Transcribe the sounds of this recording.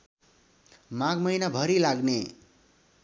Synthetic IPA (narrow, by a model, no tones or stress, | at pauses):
mãɡmʌjnabʱʌɾilaɡne